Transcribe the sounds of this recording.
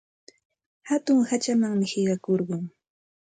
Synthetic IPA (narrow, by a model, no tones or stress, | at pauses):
hat̪ʊŋhat͡ʃamaŋmɪhɪɢɑkoɾɢʊŋ